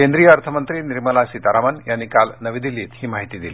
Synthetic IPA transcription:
kend̪ɾijəəɾt̪ʰəmənt̪ɾiːniɾməlasiːt̪aɾamənjanːikalnəʋiːd̪ilːiːt̪hiːmaɦit̪iːd̪ili

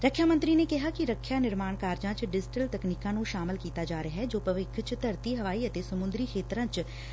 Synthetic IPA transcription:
ɾəkʰjaːmənt̪ɾiːneːkɪɦaːkɪɾəkʰːjaːnɪɾmaːɳkaːɾd͡ʒãːt͡ʃɖɪd͡ʒʈəlt̪əkniːkãːnũːʃaːmɪlkiːt̪aːd͡ʒaːɾeaɦɛːd͡ʒoːpəʋɪkʰt͡ʃt̪əɾt̪iːɦəʋaːiːət̪eːsəmʊ̃nd̪ɾiːkʰeːt̪ɾãːt͡ʃ

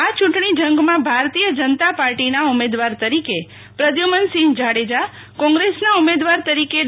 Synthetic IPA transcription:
at͡ʃʊ̃ʈɳ̃id͡ʒə̃ŋɡmãbʱaɾt̪ijəd͡ʒənət̪apaɾʈinaumed̪ʋaɾt̪əɾike | pɾəd̪jumənsind͡ʒaɽed͡ʒa | kɔ̃ŋɡɾesnaumed̪ʋaɾt̪əɾike

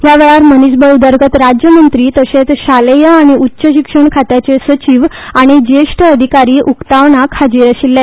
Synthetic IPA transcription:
jaʋeɭaɾmənisbəd̪əɾɡʱət̪ɾad͡ʑjəmənt̪ɾiːt̪əɕet͡sɕalejəaɽ̃iutːɕəɕikʂəɳkʰat̪jat͡ɕesət͡ɕiːʋ | aɽ̃id͡ʑeʂʈʰəəd̪ʱikaɾiːʔukt̪aʋɳakʰad͡ʑiːɾəɕilːe

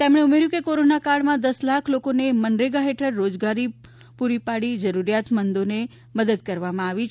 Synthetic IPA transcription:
t̪emɳeumeɾjũkekoɾonakaɽmãd̪əslakʰlokonemənɾeɡaɦeʈʰəɾːod͡ʒɡaɾi | puɾipaɽid͡ʒəɾuɾijat̪mənd̪one | məd̪əd̪kəɾʋamãaʋit͡ʃ

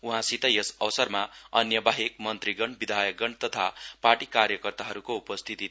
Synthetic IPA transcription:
uɦãsit̪ʌjʌsʌwsʌrmaʌnjʌbaɦek̚mʌnt̪riɡʌɳbid̪ʱajʌkɡʌɳɖt̪ʌt̪ʰaparʈikarjʌkʌrt̪aɦʌɾukoupʌst̪ʰit̪i

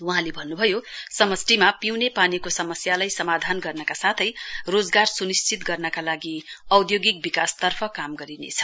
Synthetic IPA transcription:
wuɦãlebʱʌnːubʱʌjosʌmʌsʈimapiwnepanikosʌmʌsjalajsʌmad̪ʱanɡʌrnʌkasat̪ʰʌjrod͡zɡarsunist͡sʰit̪ɡʌrnʌkalaɡiʌwd̪joɡik̚bikast̪ʌrpʰʌkamɡʌɾinḛt͡sʰʌ̥

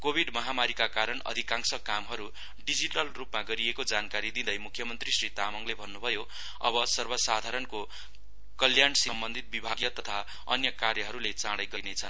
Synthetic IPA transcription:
kobʱiɖmʌɦamaɾikakaɾʌnʌ̰d̪ʱikãŋsʌkamɦʌɾu | ɖid͡ziʈʌlrupmaɡʌɾiekod͡zankaɾid̪ĩd̪ʌjmukʰjʌmʌnt̪risrit̪amʌŋlebʱʌnːubʱʌjo | ʌ̰bʌsʌrbʌsad̪ʱaɾʌnko | kʌljansʌmbʌnd̪ʱit̪̚bibʱaɡijʌt̪ʌt̪ʰa | ʌ̰njʌkarjʌɦʌɾulet͡sãɽajɡʌinet͡sʰʌn

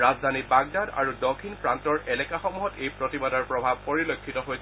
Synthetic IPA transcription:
ɹazd̪ʱanibaɡ̚dada̰ɹudɔkʰːinpɹantɔɹʔɛlɛkaxɔmuɦɔtejpɹɔtibadɔɹpɹɔbʱab̚poɹilokʰːitɔɦoj

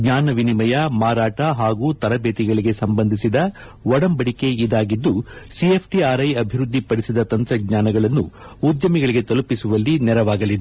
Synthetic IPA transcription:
ɡɲaːnɐʋinimɐjɐmaːɾaːʈɐɦaːɡuːt̪ɐɾɐbeːt̪iɡɐɭiɡe̞sɐmbɐnd̪ʱisid̪ɐ | ʋɔɽɐmbɐɽike̞id̪aːɡid̪ːusiepʰʈiaːɾɐjɐbʱiɾud̪ʱːipɐɽisid̪ɐt̪ɐnt̪ɾɐɡɲaːnɐɡɐɭɐnːu | ud̪jɐmiɡɐɭiɡe̞t̪ɐlupisuʋɐlːinɛɾɐʋaːɡɐlid̪e

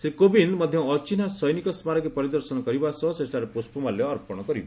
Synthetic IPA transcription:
sɾikobinmɔd̪ʱjɔːt͡ʃinasɔjnikɔsmaɾɔkepɔɾid̪ɔɾsɔnɔkɔɾibasɔsesʈaɾepospɔmaljɔːɾpɔɽ̃ɔkɔɾiba

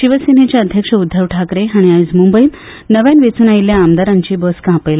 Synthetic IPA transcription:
ɕiʋəsin̤et͡ɕjaəd̪ʱjəkʂəud̪ʱːəʋʈʰakɾeɦaɽ̃iaid͡zmumbəi | nəʋjanʋet͡suːnajiljaːmd̪aɾaɲt͡ɕiːbɔskãpəjla

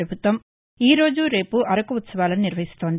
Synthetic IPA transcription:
ɾɐbʱut̪ʋɐm | iːɾo̞ːd͡ʒuɾe̞ːpuʔɐɾɐkuut̪sɐʋaːlɐniniɾʋɐɦist̪o̞ːnd̪i

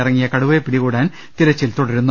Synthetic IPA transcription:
irɐŋːijɐkɐɽuʋepːiɽikuːɽaːn | t̪iɾɐt͡ɕːilt̪oɽɐɾunːɐ

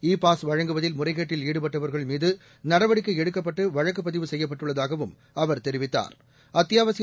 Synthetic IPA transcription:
iːpaːsʋɐɻɐŋɡɯʋɐðɪlmʊrɐɪɣeːʈːɪliːɽɯpɐʈːɐʋɐɾɣɐɭmiːðɯ | nɐɽɐʋɐɽɪk̬ːɯɛɽɯkːɐp̬ːɐʈːɯʋɐɻɐk̬ːɯp̬ːɐðɪʋɯsɛjːɐp̬ːɐʈːɯɭːɐðaːɣɐʋɯm | ɐʋɐɾt̪ɛɾɪʋɪt̪ːa̰ːɾ | ɐt̪ːɪjaːʋɐsɪ

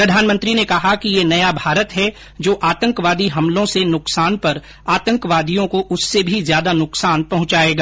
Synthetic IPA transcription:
pɾɐd̪ʱaːnmə̃nt̪ɾinekɐɦakijenɐjabʱaːɾət̪ɦɛ | d͡ʒoːʔaːt̪ə̃ŋkʋaːd̪iɦɐ̃mlõsenʊksaːnpɐɾ | aːt̪ə̃ŋkʋaːd̪ʱijõkoʔʊsːebʱizjaːd̪anʊksaːnpɐɦʊ̃t͡ʃaːeːɡaː

